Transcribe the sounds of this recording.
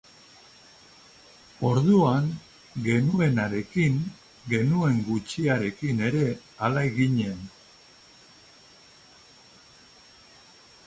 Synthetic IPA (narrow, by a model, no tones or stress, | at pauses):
o̞ɾðuaŋ | ɡe̞nue̞naɾe̞kiŋ | ɡe̞nue̞ŋɡut͡ʃiaɾe̞kine̞ɾe̞ | alaeɣiɲe̞n